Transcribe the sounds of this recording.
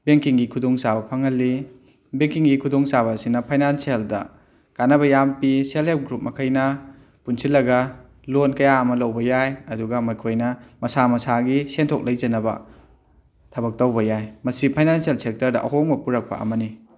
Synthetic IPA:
beŋkiŋɡikʰudoŋsabɐpʰɐŋɦɐlːi | beŋkiŋɡikʰudoŋsaβɐsinɐpʰajnansieldɐ̰ | kanɐbɐjampiselhep̚ɡɾup̚mɐkʰɐjnɐ | punsilːɐɡɐ | lonkɐjaɐmɐlɐwbɐjajɐduɡɐmɐjkʰojnɐmɐsamɐsaɡisentʰok̚lɐjd͡ʒɐnɐbɐ̰ | tʰɐbɐk̚tawbɐjajmɐsipʰajnansielsek̚tɐɾdɐ̰ʔɐɦoŋbɐpuɾɐk̚pɐ̰ɐ̰mɐni

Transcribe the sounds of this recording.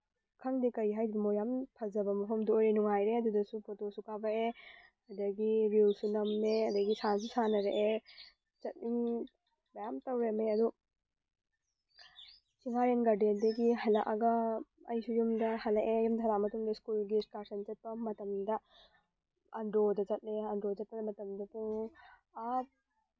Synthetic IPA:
kʰɐŋdikɐjɦajdibɐmojampʰɐzɐbɐmɐpʰɐmdɐojɾenuŋajɾeɐdudɐsupʰotosukabɐe | ɐdɐɡiɾilsunɐmːeɐdɐɡisans̬isanɐɾeʔe | t͡ʃɐt̚iŋ | bɐjamtɐwɾemeɐdu | t͡ʃiŋaːɾɐnɡɐɖed̪eɡiɦɐlɐʔɐɡɐ | ɐ̰jsujumd̪ɐhɐlɐʔejumd̪ʱɐɾaːmɐt̪uŋɡeskulɡiskaːɾsɐnt͡ʃɐt̪̚pɐmːɐt̪ɐmd̪ɐ | ɐnɾoːd̪ɐt͡ʃɐt̪̚eɐnɾoːt͡ʃɐt̪̚pɐd̪mɐt̪ɐmd̪ɐt̪uŋa

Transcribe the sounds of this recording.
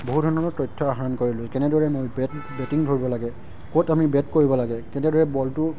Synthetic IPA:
boɦudʱɔnɔnɔtɔjtʰːɔaɦaɹɔnkoɹilʊkɛnɛdɔɹɛmojbɛtbɛtiŋdʱoɹibɔlaɡɛ | kotamibɛtkoɹibɔlaɡɛkɛnɛdɔɹɛbɔltʊ

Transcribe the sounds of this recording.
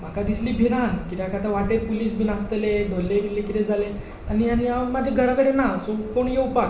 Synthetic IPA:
m̤akad̪isliːbʱiɾankit̪eakat̪aʋaʈeɾpuliːsbʱinast̪eled̪ʱolːebilːekit̪ed͡zʱale | anijaniamad͡ʑʱeɡʱəɾakəɽenasukoɳjeupak

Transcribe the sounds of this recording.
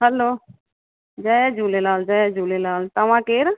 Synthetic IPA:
ɦəloː | d͡ʒɛd͡ʒuːlelaːld͡ʒɛd͡ʒuːlelaːlt̪əʋãːkeːɾ

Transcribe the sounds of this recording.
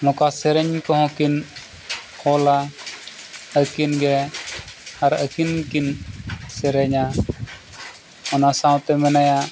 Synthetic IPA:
mɔ̃kasɛɾɛɲkɔɦɔ̃kin | hɔla | əkinɡɛ | aɾəkinkinsɛɾɛɲa | ɔnasãwt̪ɛmɛnaja

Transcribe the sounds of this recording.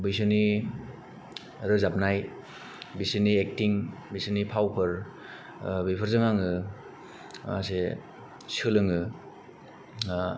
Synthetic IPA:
bɯjsɯni | ɾɯzap̚naj | bisɯniek̚tiŋbisɯnipʰawpʰɯɾ | bipʰɯɾzɯŋaŋɯ | ma̰se | sɯlɯŋɯ

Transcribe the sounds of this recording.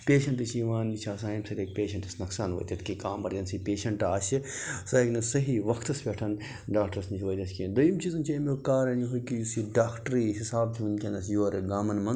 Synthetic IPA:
pʲeːʃɐɳʈ̪isiʋaːnit͡ʃʰaːsaːjimsɐɾeːk̚pʲeːʃɐ̃ɳʈɐsnɐksaːnʋɐ̰ːjt̪ʲɐt̪ʰkikaːmbɐɾd͡ʒɐnsiːpʲeːʃɐɳʈaːsʲisɐknɐsɐɦiʋɐkʰt̪ɐsbʲeʈʰɐn | ɖaːk̚ʈɐɾsnit͡ʃʰʋɐjt̪ʲɐskind̪ujimt͡ʃiːzɐnt͡ʃʰɐmekaːɾɐniɦojkijusiɖaːkʰʈɾiɦisaːb̚t͡ʃʰiʋɐnd̪kʲɐ̃nd̪ɐsjoːɐɾeɡaːmɐnmɐn

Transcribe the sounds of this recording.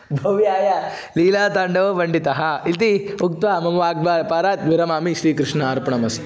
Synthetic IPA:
bʱɐʋijaːja | liːlaːt̪aɳɖɐʋʋɐɳɖit̪ɐɦɐit̪iuk̚t̪ʋaːmɐmuʋaːɡ̚baːɾpaːɾaːt̪ʋiɾɐmaːmiʃɾiːkɾɪʂnɐaːɾpɐɳɐmɐs

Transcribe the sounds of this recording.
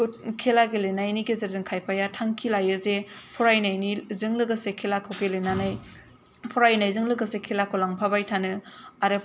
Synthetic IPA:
kʰelaɡelenajniɡezeɾzɯŋkʰajpʰajatʰaŋkʰilajɯzepʰɔɾajnajnizɯŋlɯɡɯsekʰelakʰɯwkelenanaj | pʰɔɾajnajzɯŋlɯɡɯsekʰelakʰolaŋpʰabajtʰanɯaɾɯ

